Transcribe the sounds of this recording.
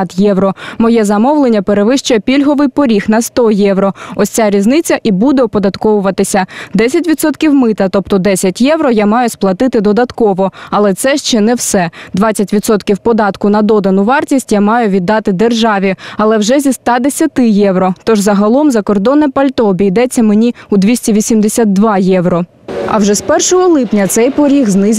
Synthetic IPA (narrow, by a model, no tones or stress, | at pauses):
t̪jɛwɾɔmɔjɛzɐmɔwlˠenʲːɐpeɾeʋɪʃt͡ʃʊjɛpʲilʲɦɔʋɪjpɔɾʲixnɐst̪ɔjɛʋɾɔɔsʲt͡sʲaɾʲiznɪt͡sʲːɐʔibud̪ɛɔpɔd̪ɐt̪kɔʋʊʋɐt̪ɪsʲɐd̪ɛsʲɐtʲʋʲid̪sɔt̪kʲiwmɪt̪ɐt̪ɔp̚t̪ɔd̪ɛsʲɐtʲjɛʋɾɔjamɑjʊsplˠɐt̪ɪt̪ɪd̪ɔd̪ɐt̪kɔʋɔɐlˠɛt̪sɛʃt͡ʃɛnɛwsɛd̪ʋɑt͡sʲɐtʲʋʲid̪sɔt̪kʲiwpɔd̪ɑt̪kʊnɐd̪ɔd̪ɐnʊʋɑrtʲisʲtʲjamɑjʊʋʲid̪ːɑt̪ɪd̪erʒɑʋʲiɐlˠɛwʒɛzʲist̪ɑd̪esʲɐt̪ɪjɛwɾɔt̪ɔʒzɐɦɐlˠɔmzɐkɔrd̪ɔnɛpɐlʲt̪ɔːbʲijd̪ɛt͡sʲːɐmenʲiud̪ʋʲisʲtʲiʋʲisʲimd̪esʲat̪̚d̪ʋɑjɛʋɾɔ | ɐ̰wʒɛspɛrʃɔɦɔlˠɪpnʲɐt̪sɛjpɔɾʲiɣznɪz